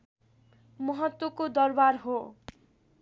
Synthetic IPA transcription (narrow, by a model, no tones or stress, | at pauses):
mʌɦʌt̪wʌkod̪ʌrbaɾɦo